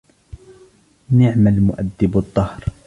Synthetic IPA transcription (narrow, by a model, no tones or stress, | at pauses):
nɪʕmalmʊʔad̪ːɪbɑd̪ˤːɑhɾ